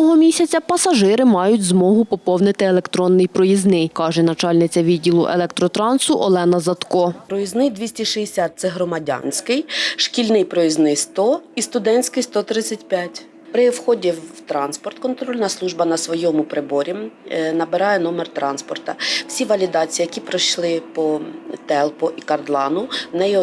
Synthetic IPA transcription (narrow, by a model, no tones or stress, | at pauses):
ɔɦɔmʲisʲɐt͡sʲɐpɐsɐʒɪɾɪmɑjʊtʲzmɔɦʊpɔpɔwnɪt̪ɪelˠekt̪ɾɔnːɪjpɾɔjiznɪjkɑʒɛnɐt͡ʃɑlʲnɪt͡sʲɐʋʲidʲːilˠʊ̰ʔelˠɛk̚t̪ɾɔt̪ɾɑnsʊʔɔlˠɛnɐzɐt̪kɔpɾɔjiznɪjd̪ʲʋʲisʲtʲiʃɪjesʲat̪̚t̪sɛɦɾɔmɐdʲɑ̰nʲsʲkɪjʃkʲilʲnɪjpɾɔjiznɪst̪ɔist̪ʊd̪ɛnʲsʲkɪjst̪ɔt̪ɾɪt͡sʲɐtʲpʲjatʲ | pɾɪwxɔdʲiwt̪ɾɑnspɔrt̪kɔnt̪ɾɔlʲnɐslˠuʒbɐnɐsʋɔjɔmʊpɾɪbɔɾʲinɐbɪɾɑjɛnɔmɛrt̪ɾɑnspɔrt̪ɐwsʲiʋɐlʲid̪ɑt͡sʲijijɐkʲipɾɪʃlˠɪpɔt̪ɛlˠpɔʔikɐrd̪lˠɑnʊnɛjɔ